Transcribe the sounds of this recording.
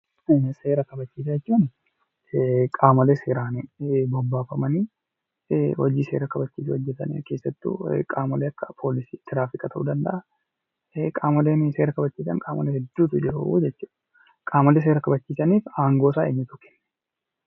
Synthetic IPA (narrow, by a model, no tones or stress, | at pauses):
se̞ːɾɐkɐbɐt͡ʃːiːs̬ɐɛt͡ʃːunɪ | kʼaːmɐleːseːɾaːnbɔbːaːfɐmɐniː | wɔ̰d͡ʒiːseːɾɐkɐbɐt͡ʃːiːs̬ɪwɔd͡ʒːɛt̪ɐnḭːke̞ːsːɐt̪ːṵkʼaːmɐleːɐkːɐ̥pʰo̞ːlɪsiːt̪ɪɾaːfɪkʼɐt̪ɐʔṵːd̪ɐnd̪ɐʔa | kʼaːmɐleːnseːɾɐkɐbɐt͡ʃːiːsɐ̰ŋkʼaːmɐlehɛd̪ːuːt̪ʊd͡ʒɛɾṵṵːd͡ʒɛt͡ʃːuːᶑ | kʼaːmɐleːs̬e̞ːɾɐkɐbɐt͡ʃːiːsɐniːfaːŋɡoːsaːeɲːʊt̪ʊ̥kɛ̥nː